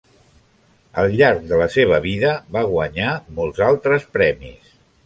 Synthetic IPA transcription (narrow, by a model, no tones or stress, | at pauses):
əlˠʎaɾk̚d̪ələseβəβiðəβaɣwəɲamolˠzalˠt̪ɾəspɾɛmḭs